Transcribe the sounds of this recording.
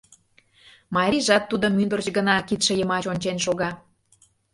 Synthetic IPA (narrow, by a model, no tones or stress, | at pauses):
mɑɾʲiʒɑt̪ːud̪ə̆mynd̪ə̆rt͡ɕɡənɑkit̪ʃĕjəmɑt͡ɕonʲt͡ɕenʃoɣɑ